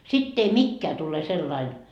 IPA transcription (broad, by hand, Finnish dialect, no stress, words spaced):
sitː ei mikːeæ tule selːɑin